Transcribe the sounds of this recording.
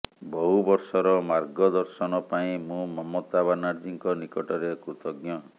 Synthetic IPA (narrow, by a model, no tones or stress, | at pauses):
bɔɦubɔɾsɔɾɔmaɾɡɔd̪ɔɾsɔnɔpaĩmũmɔmɔt̪abanaɾd͡ʒiŋkɔnikɔʈɔɾekɾut̪ɔɡjɔ